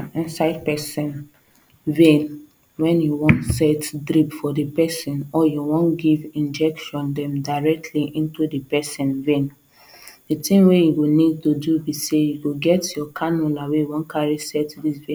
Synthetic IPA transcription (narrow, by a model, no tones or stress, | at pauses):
ĩnsaɪd̚pɛsɛ̃n | vẽn | wɛ̃njuwɔ̃ntsɛtdɹipfɔdəpɛsɛ̃nɔjuwɔ̃nɡivĩnd͡ʒɛkʃɔ̃ndɛ̃mdaɹɛk̚tʰliʔĩntudəpɛsɛ̃nvẽn | dətĩŋwejuɡonid̚todubisejuɡoɡɛtjɔkʰanɔlawejuwɔ̃nkʰaɹisɛtdisvẽ